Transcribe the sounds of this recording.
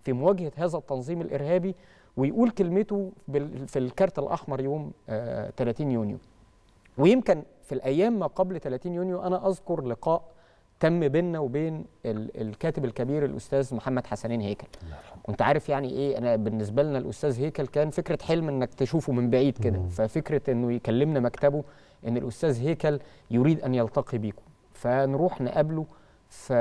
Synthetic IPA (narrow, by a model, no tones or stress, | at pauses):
fimowæːɡhæhæːzæt̪ːɑnzˤiːmelʔeɾhæːbi | wejʔuːlkelmet̪obefilkɑɾˤt̪ælʔɑ̰ħmɑɾˤjoːmːt̪ælæːt̪iːnjuːnjo̰ | wejemkɪn | filʔæjːæːmːæqɑblt̪ælæːt̪iːnjuːnjoʔænæʔɑzkoɾleqɑːʔ | t̪æmːbeːnːæwebeːneḛlkæːt̪ebelkæbiːɾelʔo̰st̪æːzmoħamːæd̪ħasæniːnheːkælwʔent̪æʕaːɾefjaʕniʔeːʔænæbenːes̬bælnælʔost̪æːzheːkælkæːnfekɾæħelmʔenːækt̪eʃuːfumembaʕiːd̪ked̪æfæfekɾæʔenːojekælːemnæmækt̪æbo | ʔenːelʔost̪æːzɦeːkæljoɾiːd̪ʔænjɑlt̪ɑqibiːko̥ | fænɾuːħnæ̰ʔæblo | fæ